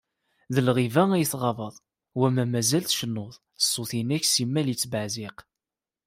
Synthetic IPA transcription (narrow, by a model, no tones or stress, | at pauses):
ðəlʁivææjəθʁɑvəðˤ | wæmæmæzælθʃənːʊðˤ | sˤːoθinæçsimːælit͡sːbaʕziq